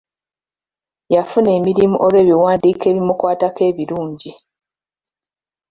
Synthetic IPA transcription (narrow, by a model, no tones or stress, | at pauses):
jafune̞ːmiɾimuʔoɾwe̞ːβiwaːndiːke̞ːβimukwaːtake̞ːβiɾuːɲɟi